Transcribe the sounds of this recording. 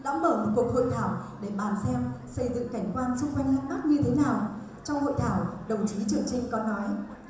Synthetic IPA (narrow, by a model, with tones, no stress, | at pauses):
ɗa̰ː˧˥mɓəː˧˩mo˨t̚ku˨˩ək̚ho̰˧˨jt̪ʰaː˧˩wɗe˧˩ɓaː˧˩nsɛ˧msə˧jzɨ̰˧˨ŋka˧˩jŋ̟kwaː˧nsɨ˧ŋ͡mkwa˧jŋ̟haː˨˥t̚ma˦˥t̚ɲɨ˧t̪ʰe˨˦naː˨˩w | t͡ɕɔ˧wŋ͡mho̰˧˨jt̪ʰaː˧˩wɗə˨˩wt͡ɕi˨˦t͡ɕɨ˨˩əŋt͡ɕï˧˨ŋ̟kɔ˨˦nːɔ˨˦j